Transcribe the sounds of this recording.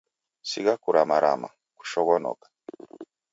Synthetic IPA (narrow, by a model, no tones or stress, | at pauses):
siɡakuɾamaɾa̰ma̰ | ku̥ʃɔɣɔnɔ̰kḁ